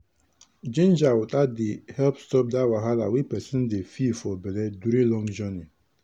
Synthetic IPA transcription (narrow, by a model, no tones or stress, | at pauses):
d͡ʒind͡ʒawʊtadɪhɛlpstɔp̚dawaɦalawipɛsin̩dɪfifɔbeleduɾilɔŋd͡ʒɔni